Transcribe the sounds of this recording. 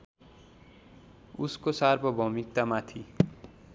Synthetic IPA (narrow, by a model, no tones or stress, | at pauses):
uskosarbʱʌbʱʌmik̚t̪amat̪ʰi